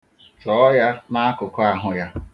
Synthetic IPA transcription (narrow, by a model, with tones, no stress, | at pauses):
t͡ʃɔ˨˦ja˦na˦a˦kʊ˨kʊ˦a˨ɦʊ˨ja˦